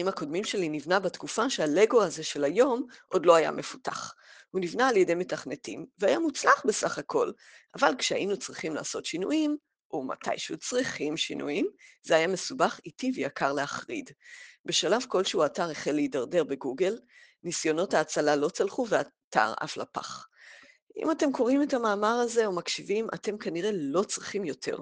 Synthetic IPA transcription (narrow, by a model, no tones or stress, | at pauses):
aimako̞dmimʃe̞linivnabatkufaʃeale̞ɡo̞aze̞ʃe̞lajo̞mʔo̞dlo̞aja̰me̞fu̥ta̰χhunivnaːljede̞jme̞taχne̞timveajamut͡slaχbe̞saχakʰo̞l | avalkʃea̰ʔinut͡sʁiχimla̰ːso̞tʃinṵim | ʔoma̰tʰa̰jʃeut͡sʁiχimʃḭnʔṵimzeajame̞subaχitivejakʰaʁleaχʁḭdbe̞ʃalavko̞lʃeuataʁeχelːejidaʁde̞ʁbe̞ɡuɡe̞l | nisjo̞no̞thaːt͡salalo̞t͡salχuvea | tʰa̰ʁa̰fla̰pa̰χ | ʔḭmate̞mkʰo̞ʁimethamaːmaʁaze̞omakʃivimʔa̰te̞mkaniʁe̞lo̞t͡sʁiχimjo̞tʰe̞̰ʁ